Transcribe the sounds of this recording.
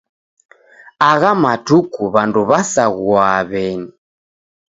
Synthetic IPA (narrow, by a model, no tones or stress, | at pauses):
aɣamatukuβanduβasaɣuaβɛɲi